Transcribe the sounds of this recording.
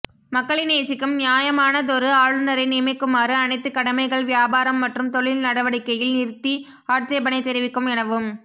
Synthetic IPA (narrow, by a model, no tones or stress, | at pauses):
mɐkːɐɭɪneːsɪkːɯmnɪjaːjɐmaːnɐðɔɾɯaːɻɯnɐɾɐɪniːmɐɪkːɯmaːɾɯɐnɐɪt̪ːɯkːɐɽɐmɐɪɣɐɭʋjaːbaːɾɐmːɐʈrɯmt̪ɔɭɪlnɐɽɐʋɐɽɪkːɐjɪlnɪɾt̪ːi | aːʈt͡ʃɐɪbɐnɐɪt̪ːɛɾɪʋɪkːɯmɪnɐʋɯm